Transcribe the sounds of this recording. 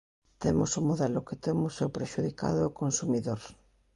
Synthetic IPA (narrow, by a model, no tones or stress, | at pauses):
t̪emʊsʊmoðɛlʊket̪emʊsewpɾeʃuðika̰ðʊːkonsumiðoɾ